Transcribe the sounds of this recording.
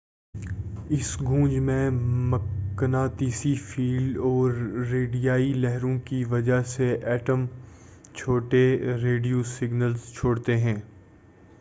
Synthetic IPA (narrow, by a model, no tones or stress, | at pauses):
ɪsɡũːd͡ʒmẽməknaːt̪iːsifiːlɖɔːɾːeːɖijaːilɛɦɾõkiʋɐd͡ʒaseʔɛːʈəm | t͡ʃʰoːʈeɾeːɖijosɪɡnəlzt͡ʃʰoːɽt̪eɦɛ̃ː